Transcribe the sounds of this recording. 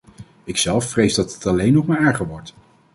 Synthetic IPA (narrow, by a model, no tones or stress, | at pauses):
ɪksɛlˠfːrejzdɑtətɑlejnɔpmaɛɹχəɹʋɔɹt